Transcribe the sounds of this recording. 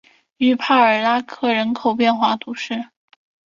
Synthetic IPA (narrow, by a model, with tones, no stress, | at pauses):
y˧˩pʰa˥˩ə˞˨˩la˥kʰɤ˥˩ɻə˧˥nkʰo˨˩ʊpjɛ˥˧nxwa˥˩t̪ʰu˧˥ʂɻ̩˥˩